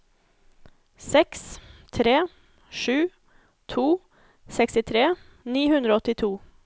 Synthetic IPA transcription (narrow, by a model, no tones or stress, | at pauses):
sɛkst̪ʰɾeː | ʂʉː | t̪ʰuː | sɛkst̪ɪt̪ʰɾeː | niːhʉnd̪ɾoːɔt̪ɪt̪ʰuː